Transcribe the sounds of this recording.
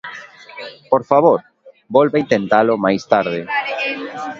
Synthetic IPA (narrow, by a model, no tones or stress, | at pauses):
poɾfaβoɾ | bolβaint̪ent̪alomajst̪aɾðɪ